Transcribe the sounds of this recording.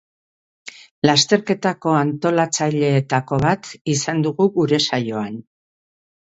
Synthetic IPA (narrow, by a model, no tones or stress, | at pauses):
last̪e̞ɾke̞t̪ako̞ant̪o̞lat͡saʎe̞ːt̪ako̞βat̪isand̪uɣuɣuɾe̞sajo̞an